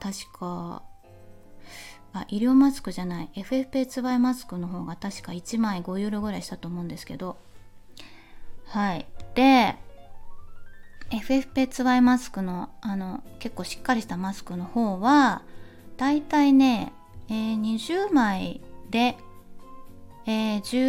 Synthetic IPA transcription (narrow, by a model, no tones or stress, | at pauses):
t̪aɕi̥kʰa̰ | aʔiɾʲo̞ːmasɨ̥kɯ̟ʑanaie̞ɸ̟e̞ɸɯ̟̥pe̞ːt͡sɨβaimasɨ̥kɯ̟no̞ɦo̞ːɡat̪aɕi̥kait͡ɕimaiɡo̞jɯːɾoɡɯ̟ɾaiɕi̥t̪at̪o̞ːmõ̞nd̪e̞sɨ̥ke̞d̪o̞ | haid̪̥e̞ | eɸɯ̟e̞ɸɯ̟̥pe̞ːt͡sɨβaimasɨ̥kɯ̟no̞ano̞ke̞kːo̞ːɕi̥kːaɾʲiɕi̥t̪amasɨ̥kɯ̟no̞ho̞ːβa | d̪̥ait̪aine̞ | eːɲ̟iʑɨːmaid̪e̞ | eːʑɨ